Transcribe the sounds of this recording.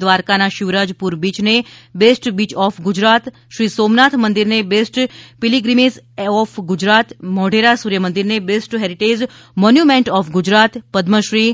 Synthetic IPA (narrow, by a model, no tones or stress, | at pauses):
d̪ʋaɾkanaʃɪʋɾad͡ʒpuɾbiːt͡ʃnebesʈbiːt͡ʃɔːfɡʊd͡ʒɾat̪ | ʃɾiːsoːmnat̪ʰmənd̪iɾnebesʈpɪliɡɾimesɔfɡʊd͡ʒɾat̪mɔɖeɾasuɾjəmənd̪iɾnebesʈɦeɾiʈed͡ʒ | mɔnjumẽɳʈɔːfʰɡʊd͡ʒɾat̪pəd̪məʃɾi